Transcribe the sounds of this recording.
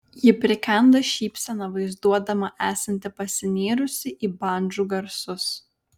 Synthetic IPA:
jɪpʲɾʲɪkʲɛnd̪ɐʃʲiːpʲsʲɛnɐʋɐɪzd̪uɔd̪ɐmɐʔæːsɐnʲt̪ʲɪpɐsʲɪnʲeːɾʊsʲɪʔiːbɑˑnʲd͡ʒuːɡɐɾsʊs

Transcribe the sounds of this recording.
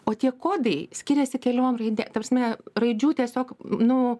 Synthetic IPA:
oːt̪ʲiɛkoːd̪ɐɪsʲkʲɪɾʲɛsʲɪkʲɛlʲoːmrɐɪd̪ʲeːt̪ɐpɾɐsʲmʲɛrɐɪd͡ʒʲuːt̪ʲiɛsʲoːknʊ

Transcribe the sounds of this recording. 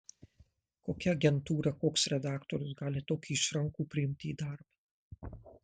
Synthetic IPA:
koːkʲɛɐɡʲɛnt̪uːɾɐkoːksɾʲɛd̪ɑːkt̪ɔɾʲʊs̬ɡɑːlʲɪt̪oːkʲuːɪʃɾɐŋkuːpʲɾʲɪɪmʲt̪ʲɪiːd̪ɐɾp

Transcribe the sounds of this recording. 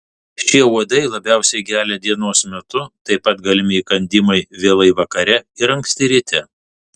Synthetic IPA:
ʃʲiɛuɔd̪ɐɪlˠɐbʲæˑʊsʲɛɪkʲæːlʲɛd̪ʲiɛnoːsmʲɛt̪ʊt̪ɐɪpːɐt̪ɡɐlʲɪmʲɪiːkɐnʲd̪ʲɪmɐɪʋʲeːlˠɐɪʋɐkɐɾʲɛɪɾɐŋksʲt̪ʲɪɾʲɪt̪ʲɛ

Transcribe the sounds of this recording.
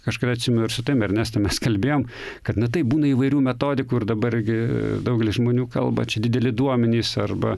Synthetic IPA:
kɐʃkɐt̪ɐt̪ʲsʲɪmʲɛnʊɪrsʊt̪ɐɪmɐrʲnʲɛst̪ɐmʲɛskɐlʲbʲeːjoːm | kɐt̪nɐt̪ɐɪbuːnɐiːʋɐɪɾʲuːmʲɛt̪oːd̪ʲɪkuːɪrd̪ɐbɐɾɪɡʲɪd̪ɐʊɡʲɛlʲɪsʒmoːnʲuːkɐ̰lˠbɐ̰t͡ʃʲɛdʲɪd̪ʲɛlʲɪd̪uɔmʲɛnʲiːsɐrbɐ

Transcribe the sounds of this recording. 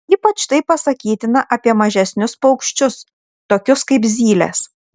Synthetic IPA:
iːpɐt͡ʃt̪ɐɪpːɐsɐkʲiːt̪ʲɪnɐʔɐpʲiɛmɐʒʲɛsʲnʲʊspɐʊkʃʲt͡ʃʲʊs | t̪oːkʲʊskɐɪpzʲiːlʲḛs

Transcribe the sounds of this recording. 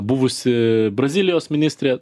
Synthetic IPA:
bʊʋʊsʲɪbɾɐzʲiːlʲɪjoːsmʲɪnʲiːsʲt̪ʲɾʲeː

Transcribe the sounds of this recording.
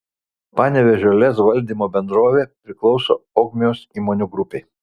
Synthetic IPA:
pɑːnʲɛʋʲɛʒʲoːlʲɛsʋɐlʲd̪ʲiːmoːbʲɛnd̪ɾoːʋʲeːpʲɾʲɪklˠɒʊso̰ːɔːɡmʲɪjoːsiːmoːnʲʊɡɾʊpʲeɪ

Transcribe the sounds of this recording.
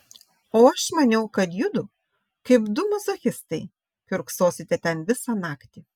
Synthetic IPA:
oːɐʃmɐnʲɛʊkɐt̪jʊd̪ʊ | kɐɪpd̪ʊmɔzɐxʲɪst̪ɐɪ | kʲʊɾksoːsʲɪt̪ʲɛt̪ʲɛnʋʲɪsɑːnɑːkt̪ʲi

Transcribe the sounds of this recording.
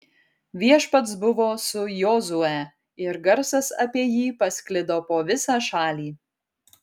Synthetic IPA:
ʋʲiɛʃpɐt̪sbʊʋoːsʊjɔːzʊɛ | ɪɾɡɐɾsɐsɐpʲiɛjiːpɐsʲkʲlʲɪd̪oːpoːʋʲɪsɑːʃɑːlʲiː

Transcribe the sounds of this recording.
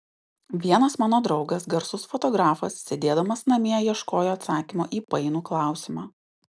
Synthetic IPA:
ʋʲiɛnɐsmɑːnoːd̪ɾɒʊɡɐsɡɐɾsʊsfɔt̪ɔɡɾɑːfɐssʲɛd̪ʲeːd̪ɐmɐsnɐmʲiɛjiɛʃkoːjoːɐt̪sɑːkʲimoːʔiːpɐɪnuːklˠɑˑʊsʲɪmɑː

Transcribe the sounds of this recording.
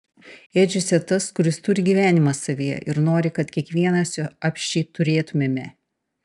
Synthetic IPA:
eːd͡ʒʲɛsʲɛt̪ɐskʊɾʲɪst̪ʊɾʲɪɡʲiːʋʲæːnʲɪmɐsɐʋʲijɛ̰ʔɪɾnoːɾʲɪkɐt̪kʲiɛkʋʲiɛnɐsʲɑːpʲʃʲt͡ʃʲɛːt̪ʊɾʲeːt̪ʊmʲɛmʲɛ

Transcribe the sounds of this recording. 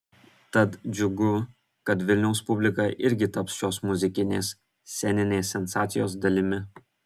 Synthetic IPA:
t̪ɐt̪d͡ʒʲʊɡʊ | kɐt̪ʋʲɪlʲnʲɛʊspʊbʲlʲɪkɐʔɪɾʲɡʲɪt̪ɐpsʃʲoːsmʊzʲɪkʲɪnʲḛːs | sʲɛnʲɪnʲeːsʲɛnsɑːt̪sʲɪjoːsd̪ɐlʲɪmʲɪ

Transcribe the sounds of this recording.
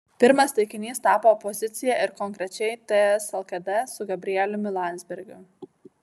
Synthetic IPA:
pʲɪɾmɐst̪ɐɪkʲɪnʲiːst̪ɑːpoːɔpɔzʲɪt̪sʲɪjɛʔɪɾkɔŋʲˑkɾʲɛt͡ʃʲɛɪt̪ʲɛɛsɐlˠkɐd̪ʲɛsʊɡɐbʲɾʲɪjɛlʲʊmʲɪlˠɑˑnʲzʲbʲɛɾʲɡʲʊ

